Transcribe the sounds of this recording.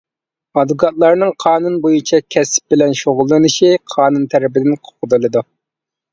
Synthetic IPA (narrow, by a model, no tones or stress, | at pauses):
ɑd̪ɨɡɑt̪̚lˠɑɾnɨŋqʰɑːnunbojut͡ʃʰɛkʲʰɛsp̚bɪlɛnʃoʁʊlˠːɨnɨʃiqʰɑːnunt̪ʰæɾɪpɪd̪ɪnqʰo̥qəd̪ɨlˠɨd̪u